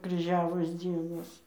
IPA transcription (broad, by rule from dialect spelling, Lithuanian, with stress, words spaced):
krʲiːˈʒʲæːʋoːs ˈd͡zʲiɛnoːs